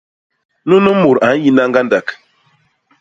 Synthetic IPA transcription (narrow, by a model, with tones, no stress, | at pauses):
nu˦no˦mo˨ɾa˨˦n̩˦ji˦na˦ŋɡa˦nda˨k